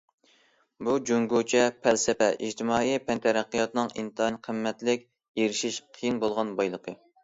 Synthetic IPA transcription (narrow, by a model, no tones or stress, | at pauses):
bud͡ʒoŋɡut͡ʃʰɛpʰɛlsɪpɛʔid͡ʒt̪ʰɪmɑːipʰɛnt̪ʰɛɾæqːijɑt̪nɨŋḭnt̪ɨɑnqʰəmːɛt̪lɪkʲ | eɾɪʃiʃqʰijinbolˠʁɑnbɑjlˠəqʰə